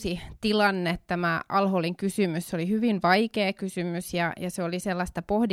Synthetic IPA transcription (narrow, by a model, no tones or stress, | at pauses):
sit̪ilɑnːet̪t̪æmæʔɑlholiŋkysymysseolihyʋinʋɑikeːkysymysjɑ̰jɑseoliselːɑst̪ɑpohdi